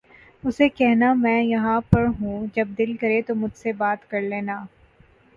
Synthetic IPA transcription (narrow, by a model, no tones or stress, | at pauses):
ʊsekɛɦnamɛ̃ːjɐɦãpɐɾɦũːd͡ʒɐb̚d̪ɪlkɐɾet̪omʊd͡ʒʱsebaːt̪kɐɾleːnaː